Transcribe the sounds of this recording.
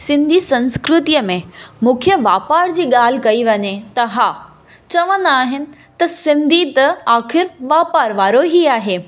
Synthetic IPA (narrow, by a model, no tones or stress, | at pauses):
sɪ̃nd̪ʱisɐ̃nskɾʊt̪ijəmẽmũkʰjəʋaːpaːɾd͡ʑiːɠaːl̤ɪ̆kɐiʋɐɲet̪ɐɦaː | t͡ɕɐʋə̃nd̪aːɦɪnɪ̆ | t̪ɐsɪ̃nd̪ʱit̪ɐaːxɪɾʋaːpaːɾʋaːɾoɦiaːɦeː